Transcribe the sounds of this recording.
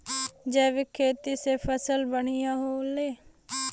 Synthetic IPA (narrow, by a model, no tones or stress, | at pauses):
d͡ʒɛːʋɪkʰeːt̪iːseːpʰəsəlbəɳijaɦoːleː